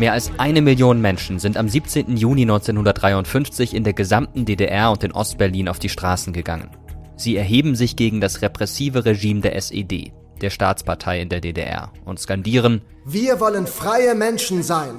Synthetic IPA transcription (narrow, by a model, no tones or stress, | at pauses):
meːɐʔalsʔaɪnəmɪljoːnənmɛnʃn̩zɪntamziːp̚t͡seːntn̩juːlinɔʏnt͡seːnhʊndɐtdʁaɪʊntfʏnft͡sɪçɪndeːɐɡəzamtn̩deːdeʔɛɐʊnt̚d̥eːnʔɔ̰st̚b̥ɛɐliːnaʊfd̥iːʃtʁ̥aːsn̩ɡəɡa̰ŋə̰n | z̥iːɛɐɦeːbm̩zɪçɡ̥eːɡŋ̩dasʁepʁ̥ɛsiːvəʁeʒiːmdeːɐʔɛsḛdḛː | d̥eːɐʃta̰ːt͡spʰaɐtʰaɪɪndeːɐdeːdḛʔɛ̰ɐʔʊntskandiːʁ̞ən | viːɐvɔlənfʁ̥aɪəmɛnʃn̩zaɪn